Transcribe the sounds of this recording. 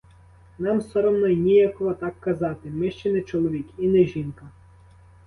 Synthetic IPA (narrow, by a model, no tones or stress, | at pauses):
nɑmsɔɾɔmnɐjnʲijakɔɦɔt̪ɑkːɐzɑt̪ɪmɪʃt͡ʃɛnɛt͡ʃɔlˠɔʋʲikinɛʒinkɐ